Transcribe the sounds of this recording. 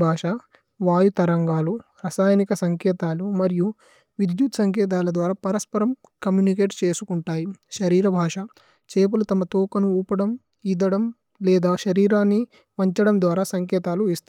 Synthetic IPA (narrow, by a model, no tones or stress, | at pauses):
bʱaːʂɐ | ʋaːjut̪ɐɾɐŋɡaːlu | ɾɐsaːjɐnikɐsɐŋkɛːt̪aːlumɐɾiju | ʋid̪jut̪sɐŋkɛːt̪̬aːlɐd̪ʋaːɾaːpɐɾɐspɐɾɐm | kɐmjuːnik̬e̞ːʈt͡ʃe̞ːsukuɳʈaːjiʃɐɾiːɾɐbʱaːʂɐ | t͡ʃeːp̬ulut̪ɐmɐt̪uːkɐnuuːpɐɽɐm | id̪ɐɽɐm | lɛːd̪aːʃɐɾiːɾaːnːi | ʋɐɲt͡ʃɐɽɐmd̪ʋaːɾaːsɐŋkɛːt̪aːluist̪u